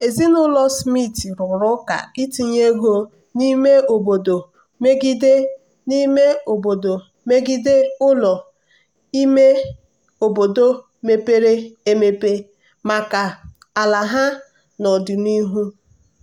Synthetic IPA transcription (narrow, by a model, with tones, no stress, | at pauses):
e˨zi˦nʊ˦lɔ˦smi˦˨ti˨ɾʊ˨ɾʊ˦ka̰˨ɡɪ˦ti˦˨ɲe˦ɡo˦ | ni˦me˦o˨bo˨do˨ | me˦ɡi˦de˦ | ni˦me˦o˨bo˨do˨ | me˦ɡi˦de˦ʊ˦lɔ˨ | i˦me˦ | o˨bo˨do˦ | me˦pe˦ɾe˦e˦me˦pe˦ | ma˨ka˨ | a˨la˨ɦa˦ | nɔ˨dɪ˨ni˦ɦu˦